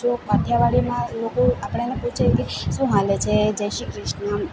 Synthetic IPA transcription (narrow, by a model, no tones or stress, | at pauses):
d͡ʒopat̪ʰjaʋaɽimãlokoapɽ̃eəneput͡ʃʰajkesũɦalet͡ʃʰed͡ʒɛʃikɾɪʃna